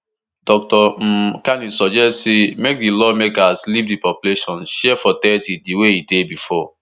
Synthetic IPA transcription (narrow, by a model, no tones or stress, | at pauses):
d̥ɔk̚tɔm̩kanisɔd͡ʒɛstsimek̚dilɔmekaslivdipɔpjuleʃɔ̃nʃɛfɔtɛtidiweidebifɔ